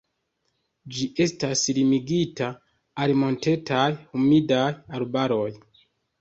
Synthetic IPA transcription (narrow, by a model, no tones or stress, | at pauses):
d͡ʒiʔe̞staslimiɡita | alimo̞nte̞tʰajhumidajalbaɾo̞j